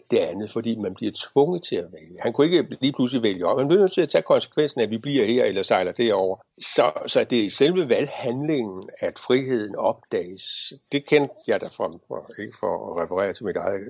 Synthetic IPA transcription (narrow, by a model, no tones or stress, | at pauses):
d̥e̝ɐænð̞̩ˠfɒ̽d̥ḭːmænb̥liɐt͡sʰʋɔ̽ŋəð̩ˠt͡sʰe̝æʋeljəhænkʰue̝ɡ̥əliːpʰlusliʋeljəɒ̽b̥hænb̥e̝nøt͡sʰe̝æt͡sʰɛ̰ːkʰɒ̽nsə̥kʰʋen̰sn̩æʋib̥liɐ̰he̝ɐ̰elɐsɑ̈ɪlɐd̥eɐɒʊ̰ɐ | sɒ̽sɒ̽d̥e̝ɐiselʋəʋælhænle̝ŋn̩æd̥fʁiɦe̝ð̰ˠn̩ɒ̽b̥̚d̥ɛ̰ːɪsd̥e̝kʰend̥jɑ̈ɪd̥æfʁɑmfɒe̝ɡ̥əfɒʁɛfəʁɛ̰ːɐt͡sʰe̝mid̥ɑ̈ɪð̩ˠ